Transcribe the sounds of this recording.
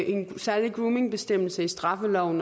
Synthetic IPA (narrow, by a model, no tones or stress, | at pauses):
ʔe̝nsæɐliɡ̥ʁuːme̝ŋb̥e̝sd̥em̰l̩səisd̥ʁɑ̈fəlɒʊ̰n̩